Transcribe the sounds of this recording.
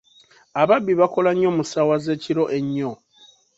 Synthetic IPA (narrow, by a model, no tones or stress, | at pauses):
aβabːiβako̞laɲːo̞musawaze̞ːciɾo̞ʔe̞ɲːo̞